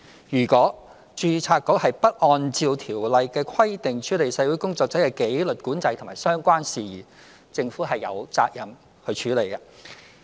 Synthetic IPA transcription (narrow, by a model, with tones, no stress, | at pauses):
jyː˨˩kʷɔː˨˥ | t͡ʃyː˧t͡sʰaː˧k̚ːo˨˥whɐ˨jpɐ˥t̚ʔɔː˧nt͡siː˨˧wt̪ʰiː˨˩wlɐ˨jkɛː˧kʰɐ˥jt̪ɪ˨ŋt͡ʃʰyː˨˥le˨jsɛ˨˧˥wu˨˥jkʊ˥ŋt͡sɔː˧k̚t͡sɐ˨˥kɛː˧ke˨˥jlɵ˨t̚kuː˨˥nt͡sɐ˧jt̪ʰmaː˨˩jsœː˥ŋkʷaː˥nsiː˨˩jiː˨˩ | t͡sɪ˧ŋfuː˨˥ɦɐ˨jːɐ̰˨˧wt͡sa̰ː˧k̚jɐ˨m | hɵ˧ɥt͡ʃʰyː˨˥le˨jkɐ˧